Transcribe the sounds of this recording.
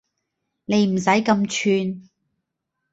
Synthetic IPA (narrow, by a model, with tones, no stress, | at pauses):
ne˨˧jm̩˨˩s̬ɐ˨˥jkɐ˧mt͡ʃʰyː˧n